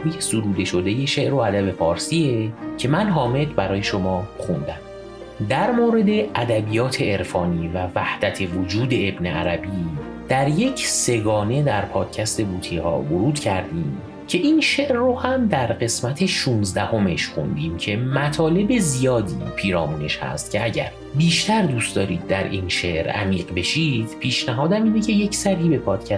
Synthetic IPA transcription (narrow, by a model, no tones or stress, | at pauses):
biːhsoɾuːd̪e̞ʃo̞d̪e̞je̞ʃeʔɾo̞æd̪æbe̞fɒːɾsiːecʰe̞mænɦɒːme̞d̪bæɾɒːje̞ʃo̞mɒːxund̪æm | d̪æɾmoːɾe̞d̪e̞ʔæd̪æbijɒːt̪ʰe̞eɾfɒːniːvævæhd̪æt̪ʰe̞vod͡ʒuːd̪e̞ebneæ̰ɾæbiː | d̪̥æɾje̞cʰse̞ɡɒːne̞d̪æɾpʰɒːd̪̥cʰæst̪e̞buːt̪ʰihɒ̰ːboɾuːd̪̥cʰæɾd̪iːm | cʰe̞ʔiːnʃeʔɾːohæmd̪æɾɢe̞smæt̪ʰe̞ʃuːnzd̪æho̞meʃxo̞̰nd̪iːmcʰe̞mæt̪ʰɒːle̞be̞zijɒːd̪ḭːpʰiːɾɒːmuːne̞ʃhæ̰st̪cʰe̞æɟæ̰ɾ | biːʃt̪æɾd̪uːst̪d̪ɒːɾiːd̪̚ːæɾʔinʃe̞ʔɾæ̰miːɢbe̞ʃid̪̥pʰiːʃnæɦɒːd̪æmiːne̞cʰe̞je̞cʰsæɾhiːbe̞pʰɒːd̪̥cʰæ